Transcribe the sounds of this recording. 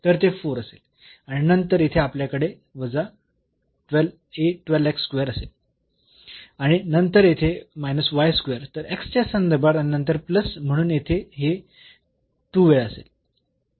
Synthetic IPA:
t̪əɾt̪efoɾəsel | aɽ̃inənt̪əɾjet̪ʰeapljakəɽe | ʋəd͡za | ʈʋɛl | eʈʋɛleksːkʋeɾəsel | aɽ̃inənt̪əɾjet̪ʰemajnəsʋajskʋeəɾt̪əɾekst͡ɕasənd̪əɾbʱaɾainənt̪əɾpləsm̤əɽ̃uːnjet̪ʰeɦe | ʈuʋeəsḛl

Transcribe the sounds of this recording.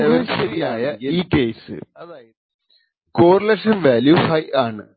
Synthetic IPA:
eʋɐnɕɐɾijaːjɐiːke̞ːsɨ̰ɐðaːjɐðɨ | koːrlekʂɐmʋaːljuhɐjaːɳɨ̰

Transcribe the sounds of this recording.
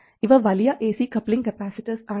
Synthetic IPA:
ɪʋɐʋalijaʔeːsiːkɐplɪ̃ŋkɛpæːsɪʈisaː

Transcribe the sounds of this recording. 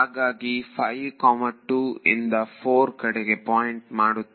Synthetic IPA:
aːɡaːɡipʰɐjʋkɔːmɐʈuːḭnd̪ɐpʰoːɾkɐɽeɡe̞paːjiɳʈmaːɽut̪ː

